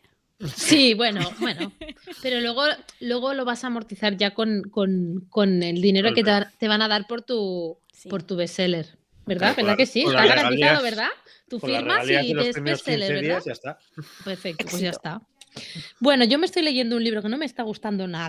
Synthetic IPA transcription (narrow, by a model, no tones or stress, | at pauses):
siβwe̞nobwe̞nope̞ɾo̞lwe̞ɣ̞o̞lwe̞ɣ̞o̞lo̞βasaːmo̞ɾt̪iθaɾʝako̞nko̞nko̞ne̞ld̪ine̞ɾoket̪eβat̪e̞β̞anaðaɾpo̞ɾt̪u | po̞ɾt̪uβe̞se̞le̞ɾ | be̞ɾðaβe̞ɾðake̞sit̪aaɾaiaðoβeɾða | t̪ufiɾmmalieeseseleɾβeððajast̪a | peɾfe̞k̚t̪opwe̞zʝast̪a | bwe̞no̞ʝo̞mest̪ojle̞ʝe̞nd̪ounliβɾo̞ke̞no̞mest̪aɣ̞ust̪and̪o̞na